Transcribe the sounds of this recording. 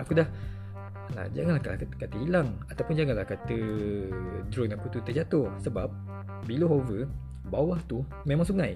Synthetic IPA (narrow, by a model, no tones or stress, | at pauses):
akudah | la̰d͡ʒa̰ŋanlahkalkat̪əɦilaŋat̪awpʊnd͡ʒaŋanlahkat̪ə | dɾɔnaput̪ut̪əd͡ʒat̪ʊrsəbap̚ | biləɦovə | bawaht̪u | mẽmãŋsuŋãj